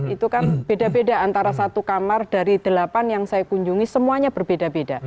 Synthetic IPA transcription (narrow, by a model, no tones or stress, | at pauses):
it̪ukanb̥edabedaant̪aɾasat̪ukamard̥aɾid̥əlapanjaŋsajakuɲd͡ʒuŋisəmuaɲab̥ərbedabeda